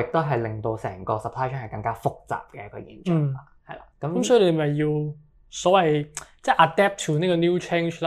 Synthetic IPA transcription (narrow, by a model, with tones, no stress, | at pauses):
ɪ˨k̚t̪o˥wɦɐ˨jlɪ˨˩ŋt̪o˧wsɛ̰ː˨˩ŋkɔː˧sɐ˨pʰlaː˥t͡ʃʰœː˥ŋhɐ˨˩kɐ˧ŋkaː˥fʊ˥k̚t͡sa̰ː˨˩p̚kɛː˧kʰɵ˨˧jḭː˨˥nt͡ʃœː˨˩a˨˧hɐ˨˩jlaː˨˧kɐ˨˦mɐ˨˦msɔː˨˥˧e˧e˧˩ɐ˨˩jji˧w | sɔː˨˥wɐ˨jt͡sɛː˥˩ʔa˨t̪ɛː˥p̚t̪ʰuː˨˩niː˥kɔː˧niː˥wt͡ʃʰe˥nʃlaː˥